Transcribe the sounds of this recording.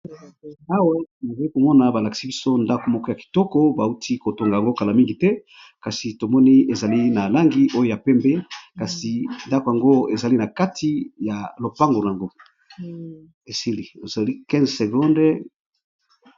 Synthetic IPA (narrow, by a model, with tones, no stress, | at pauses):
a˦wa˦˨na˨za˨li˦ko˨mɔ˦na˨ba˨la˨ki̥˨si˦bi˦so˦nda˦ko˨mɔ˦kɔ˦ja˨ki̥˨tɔ˦kɔ˦ba˨u˦tʰi˦ko˨to˨ŋɡa˨ja˨ŋɡo˦ka˨la˨mi˦ŋɡi˨tɛ˦ | ka˨si˨to˨mɔ˦ni˦e˨za˨li˦na˨la˦ŋɡi˨ʔo˦jo˦˨ja˨pɛ˦mbe˦ka˨si˨nda˦ko˨ja˨ŋɡo˦e˨za˨li˦na˨ka˦tʰi˨ja˨lo˨pa˦ŋɡo˨la˨ŋɡo˦ | e˨si˦li˨o˨za˨li˦kɛ̃˦zse˨ɡɔ̃˦nd